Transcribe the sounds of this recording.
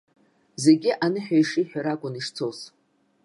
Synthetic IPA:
ze̞ɡʲɪʔanɨħᶣajʂiħᶣaɾaɡʷʼʊniʂt͡sʰows

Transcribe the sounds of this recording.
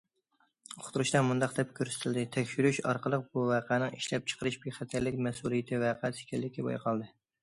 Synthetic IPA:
χʰʊ̥t̪ʰuɾuʃt̪ɛmund̪ɑqd̪ɛp̚kʲʰøɾsɪ̥t̪ʰɪld̪ɪt̪ʰɛkʲʃyɾyʃɑ̰ɾqəlˠəq̚buvæqʰænɨŋiʃlɛp̚t͡ʃʰə̥qʰəɾɨʃbeχæt̪ʰæɾlɪkʲmɛsulˠijɪt̪ʰɪvæqʰæsɪ̥kʲʰɛlːɪkʲɛbɑ̰jqʰɑlˠd̪ɨ

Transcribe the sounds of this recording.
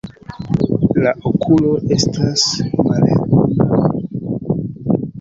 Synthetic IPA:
laʔokʰulo̞ʔe̞stasmaltuna

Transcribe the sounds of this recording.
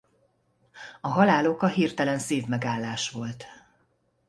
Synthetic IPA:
ɒɦɒlaːlo̞kɒɦirt̪ɛlɛnseːvmɛɡaːlːaːʃʋo̞lt̪

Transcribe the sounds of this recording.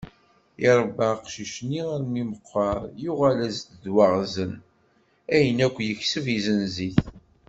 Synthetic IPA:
ɪɾˤəbːaqʃiʃniaɾmiməqːɑɾˤjuʁælæzt̪ðwaʁzən | æjənækʷːjəçsəvizənziθ

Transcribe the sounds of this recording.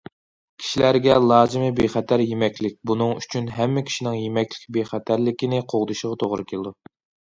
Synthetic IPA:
kʲʰi̥ʃilæɾɡʲɛlˠɑːzɨmɨbeχɛt̪ʰæɾjemɛkʲlɪk̚ʲbunɨŋyt͡ʃʰynɦɛmːɪkʲʰi̥ʃinɪŋjemɛkʲlɪkʲbeχæt̪ʰæɾlɪkʲinɪqʰoʁd̪ɨʃəʁɑt̪ʰoʁɾɨkʲʰelˠɨd̪u

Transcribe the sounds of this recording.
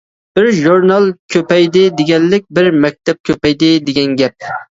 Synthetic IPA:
b̥ɪɾʒuɾnɑlˠkʲʰøpɛjd̪ɪd̪ɪɡʲɛlːɪk̚ʲbɪɾmɛk̚ʲt̪ʰɛp̚kʲʰøpɛjd̪ɪd̪ɪɡʲɛnɡʲɛp̚

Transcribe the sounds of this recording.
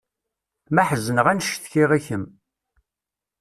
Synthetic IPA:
mæħəzənəʁænʃθçiʁiçəm

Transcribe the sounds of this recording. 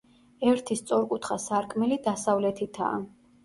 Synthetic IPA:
ɛɾt̪ʰist̪sʼɔɾkʼut̪ʰχasaɾkʰʼmɛlid̪asavlɛt̪ʰit̪ʰa̰ː

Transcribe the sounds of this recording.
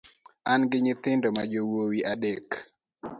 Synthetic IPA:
anɡɪɲɪt̪ɪndɔmad͡ʒowowiʔadɛk

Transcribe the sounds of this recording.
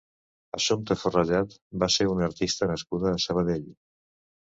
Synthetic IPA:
ə̰ʃumt̪əfurəʒat̪baseɾunəɾt̪ist̪ənəskuðəːsəβ̞əðeʎ

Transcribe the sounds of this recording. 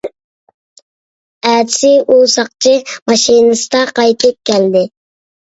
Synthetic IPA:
æd͡ʒsɪʔusɑq̚t͡ʃʰimɑʃinɨsɨ̥d̪ɑqɑjt̪ʰɨp̚kʲʰɛld̪ɪ

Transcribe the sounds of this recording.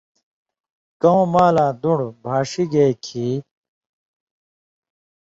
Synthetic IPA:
kɐõmaːlaːd̪uɽbʱaːʂiɡekʰi

